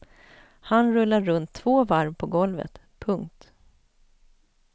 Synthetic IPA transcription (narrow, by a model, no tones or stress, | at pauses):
hanɾɵlːaːɵnt̪ʰːv̥oːvaɾvpʰɔɡɔlvə̰t̪ | pʰɵŋk̚t̪